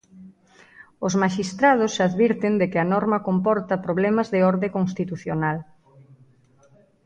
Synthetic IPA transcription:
ʊzmaʃist̪ɾað̞ʊsaðβiɾt̪ɪnd̪ɪkɪɐnɔɾmɐkompɔɾt̪ɐpɾoβlɛmɐzðɪɔɾðekoŋst̪it̪uθjonal

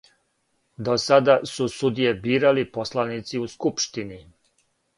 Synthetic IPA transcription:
d̪osad̪asusud̪ijebiːɾaliposlanit̪siuskupʃt̪ini

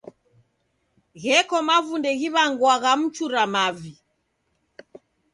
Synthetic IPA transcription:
ɣɛkɔmavundɛɣiβaŋɡwaɣam̩t͡ʃuɾamavi

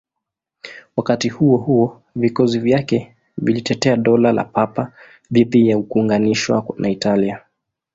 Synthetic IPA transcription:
wakatihuɔhuɔ | vikɔzivjakɛ | vilitɛtɛaɗɔlala̰papa | ðiðijaukuːŋɡaniʃwa̰nʔaitalia

